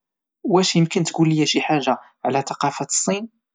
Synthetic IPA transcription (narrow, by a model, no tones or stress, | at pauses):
wæʃjəmkənt̪ɡulːijæʃiħaʒːa | ʕlæt̪ɑqɑfḁsˤːin